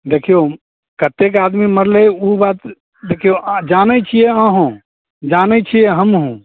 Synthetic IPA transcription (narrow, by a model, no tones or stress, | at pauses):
d̪ekʰijo | kət̪ek̬ad̪miməɾleubat̪ | d̪ekʰijod͡ʒanɛt͡ʃʰijɛəɦõ | d͡ʒanɛt͡ʃʰijɛɦəmɦũ